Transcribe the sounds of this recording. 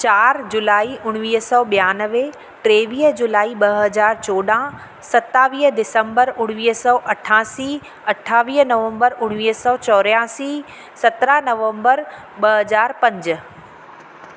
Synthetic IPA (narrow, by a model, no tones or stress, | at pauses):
t͡ɕaːɾd͡ʑulaːiʔʊɽ̃ʋiːɦsɔːɓijaːnəʋe | ʈɾeːʋiːɦd͡ʑulaːiɓɐɦɐzaːɾt͡ɕoːɗã | sɐt̪ːaːʋiːɦdɪsə̃mbəɾʊɽ̃ʋiːɦsɔːʔɐʈʰãːsiː | ɐʈʰaːʋiːɦnɐʋə̃mbəɾʊɽ̃ʋiːɦsɔːt͡ɕɔːɾjãːsiː | sɐt̪ɾanɐʋə̃mbəɾ | ɓɐɦɐzaːɾpɐ̃ɲd͡ʑ̆